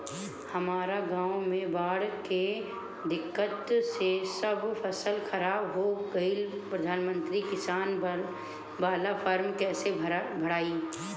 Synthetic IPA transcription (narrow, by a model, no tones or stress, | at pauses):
hɐmaːɾaɡãːʊmẽbaːɽke | d̪ɪkːət̪sesɐbfɐsəlxɐɾaːbɦokəilpɾəd̪ʱaːnmə̃nt̪ɾikɪsaːn | baːlafəɾmkɛːsebʱɐɽaːi